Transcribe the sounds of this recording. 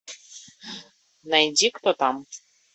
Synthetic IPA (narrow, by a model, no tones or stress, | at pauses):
nanʲd̪ʲikt̪ot̪ɑm